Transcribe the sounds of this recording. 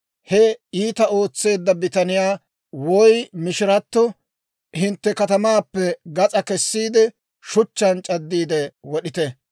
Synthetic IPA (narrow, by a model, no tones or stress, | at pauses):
hɛiːt̪ɐo̞ːt͡sːe̞ːd̪ːɐbɪt̪ɐnɪjaː | wɔjmɪʃɪɾɐt̪ːɔ | hɪnt̪ːɛkɐt̪ɐmaːpːɛɡɐt͡sʼɐkɛsːiːd̪ɛ | ʃʊt͡ʃːɐnt͡ʃʼɐd̪ːiːd̪ɛwɔɗɪt̪ɛ